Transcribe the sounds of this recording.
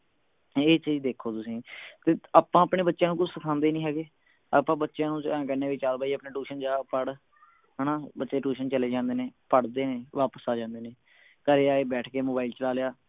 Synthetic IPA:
eːt͡ʃiːd͡ʒd̪eːkʰoːt̪ʊsĩːt̪eːaːpãːəpɳeːbətːʃjãːnũːkʊt͡ʃsəkʰãːnd̪eːnĩːɦɛːɡeː | aːpãːbətːʃjãːnũːt͡ʃːkɛːneːʋɪt͡ʃaːlbaːiːəpneːʈuːʃənd͡ʒaːpəɽ | ɦənãːbətːʃeːʈuːʃənt͡ʃəleːd͡ʒãːnd̪eːneːpəɽd̪eːneːʋaːpəsaːd͡ʒãːnd̪eːnẽː | kəɾeːaːeːbɛːʈʰkeːmoːbaːilt͡ʃəlaːlejaː

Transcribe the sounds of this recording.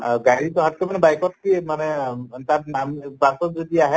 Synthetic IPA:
ɡaɹit̪ɔɦat̚kɔmanɛbajkɔt̚kimanɛt̪aɹnampasɔtzodiaɦɛ

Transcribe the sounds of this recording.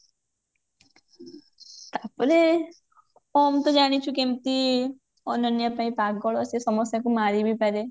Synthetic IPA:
t̪apəɾe | ɔmt̪od͡ʒaːɽ̃it͡ʃʰukemt̪i | ɔnɔnjapaipaːkɡɔɭɔsesɔməsjakumaːɾibʱipɛɾe

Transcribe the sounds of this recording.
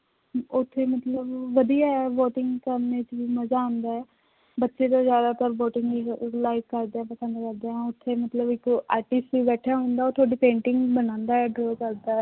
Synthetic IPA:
ʊt̪ʰːeːmət̪ləbʋəd̪ijaːɛʋoːʈɪŋɡkəɾnet͡ʃʋiːməzaːɦʊ̃nd̪aːɛː | bətːʃeːt̪ãːzjaːd̪aːt̪əɾboːʈɪ̃ŋɡilaːɪkːəɾd̪eɛ̃ːpəsənd̪kəɾd̪eːãːʊt̪ʰːeːmət̪ləbɪkːaːʈɪsʈiːbɛːʈʰaːɦõnd̪aːoːt̪ʰʊaːɖiːpẽːɳʈɪŋɡbənãːnd̪aːɛːɖɾoːkəɾd̪aːɛ

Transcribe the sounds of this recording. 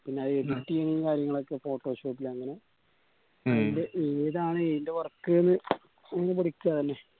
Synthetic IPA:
pinːe̞ɐðɨeɖiʈːienikaːɾjɐŋːɐɭo̞kːefo̞ːʈːoːɕo̞ːpːilɐŋːɐne̞ | inde̞ʔeːðaːɳɨeindeʋɐrkːɨenːɨ | ɐŋːɐnepɐɽikʲːuɣɐt̪ɐnːe

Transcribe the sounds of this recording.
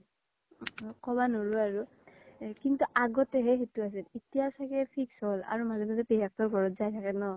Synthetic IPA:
kʰɔβanoɹuaɹu | kintuʔaɡɔtɛɦɛxetuas̬ɛlitijasakɛpʰiksɔla̰ɹumazɔmazɛpijak̚tɔɹɡʱɔɹɔtzajtʰakɛnɔ

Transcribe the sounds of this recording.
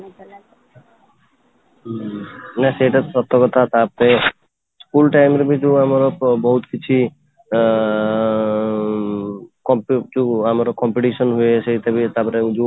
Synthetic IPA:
nɛsejʈat̪sɔt̪ʰːɔkɔt̪ʰat̪apɾe | skulʈajmɾbid͡ʒuamaɾɔbɔɦut̪kit͡ʃʰi | kɔmpd͡ʒuamaɾɔkɔmpiʈisɔnɦuesʰet̪ebit̪apɔɾed͡ʒu

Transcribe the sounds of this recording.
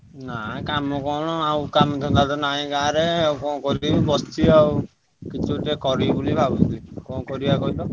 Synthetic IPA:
nakamɔkɔɽ̃ɔawkamd̪ʰʱɔ̃nt̪alt̪ɔnaĩkaɾeewkɔ̃kɔɾbɔst̪iaw | kit͡ʃʰuʈekɔɾibulibʱabɔnt̪ikɔ̃kɔɾibakɔilɔ

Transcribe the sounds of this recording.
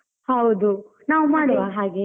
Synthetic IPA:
hɐwd̪u | naːʋumaːɽɐʋaɦaːɡe

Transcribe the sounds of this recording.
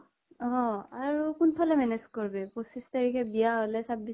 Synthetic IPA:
ɦɔ̃aɹukunpʰalɛmɛnezkoɹbɛposistaɹikʰɛbijaɦolɛsab̚ːi

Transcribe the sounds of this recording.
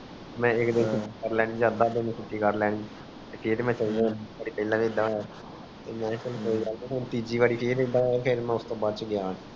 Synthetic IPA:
mɛ̃ːɪkd̪ɪnkɪiːkəɾlɛːɽ̃iːd͡ʒaːd̪aːd̪ẽnĩːkɪʈːiːkəɾlɛːɽ̃ĩːd͡ʒ | t̪eːkʰeːɾmɛ̃ːt͡ʃəliːd̪ãːnbəɽiːpəlãːʋed̪ãːɛː | t̪eːmɛ̃ːkəlkoːiːɡalekent̪iːd͡ʒiːʋaːɽiːkʰeːɾɪd̪ãːɛːpʰeːɾmɛ̃ːʊst̪õːbaːd̪̚t͡ʃəɡɪjaːn

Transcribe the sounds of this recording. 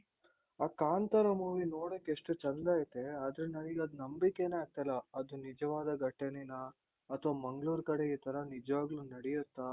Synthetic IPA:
aːkaːnt̪ɐɾɐmuːʋinoːɽokːeeʂʈut͡ʃɐnd̪aːjit̪ːeaːd̪ɐɾenɐniɡɐd̪nɐmbikːeneaːɡ̚t̪ɐjlːɐɐd̪unid͡ʒɐʋaːd̪ɐɡɐʈːɐninɐː | t̪ʰʋɐmɐŋɡɭuːɾkɐɽeiːt̪ʰɐɾɐnid͡ʒʋaːɡlunɐɽɛjut̪ːa

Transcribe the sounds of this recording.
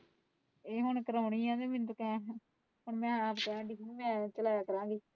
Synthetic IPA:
eːɦʊɳkəɾaːʊniːãːd̪eːmɪnt̪ʊkɛ̃ː | pəɳmɛ̃ːapkɛ̃ːɳɖiːɦʊɳmɛ̃ːt͡ʃəlaːjaːkəɾãːŋɡiː

